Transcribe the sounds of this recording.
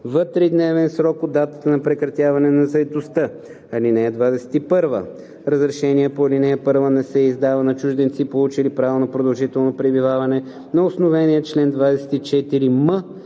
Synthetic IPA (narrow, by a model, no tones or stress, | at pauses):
vət̪ɾid̪nɛvɛnsɾɔkod̪ːat̪ə̥t̪ənɐpɾɛkɾɐt̪ʲjavɐnɛnɐzɐɛt̪ost̪ə | ɐlinɛːd̪vad̪ɛsɛ̥t̪ipɤɾvə̰ | ɾəzɾɛʃɛniɛpoɐlʲinɛəpɤɾvənɛsɛizd̪avənɐt͡ʃuʒd̪ɛnt̪sipolˠut͡ʃilipɾavonopɾod̪ɐlˠʒit̪ɛlˠnopɾɛbivavɐnɛ | nɐʊsnovɛnʲiət͡ʃlɛnd̪vad̪ɛsɛ̥t̪it͡ʃɛt̪iɾimə